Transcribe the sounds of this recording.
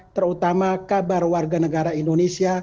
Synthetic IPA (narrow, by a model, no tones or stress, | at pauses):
t̪ərut̪amakabarwarɡanəɡaɾaindonesia